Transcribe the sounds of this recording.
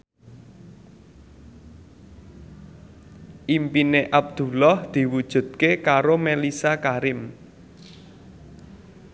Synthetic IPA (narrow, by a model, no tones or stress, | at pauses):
ʔimpineʔab̚d̪̥ṳlɔhd̪̥i̤wud̥ʒ̥ṳd̪̥̚kekaɾomelisakaɾɪm